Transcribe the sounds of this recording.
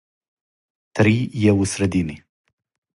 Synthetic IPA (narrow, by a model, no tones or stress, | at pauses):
t̪ɾijewusɾɐd̪ini